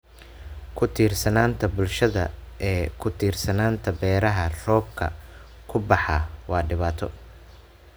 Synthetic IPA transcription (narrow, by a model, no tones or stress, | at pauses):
kʰʊt̪ʰiːrsɐnaːnt̪ʰɐbʊlʃɐðɐ̰ɛːkʰʊt̪ʰiːrsɐnaːnt̪ʰɐbɛːɾɐɦɐrɔːb̚kʰɐ̰ | kʰʊbɑħɑwɑːɖɪβaːt̪ʰɔ